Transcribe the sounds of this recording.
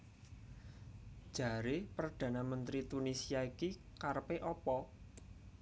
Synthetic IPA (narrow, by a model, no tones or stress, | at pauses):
ʒ̥a̤ɾepərɖ̥ä̤namənt̪ɾit̪unisiaikikarpeʔɔpɔ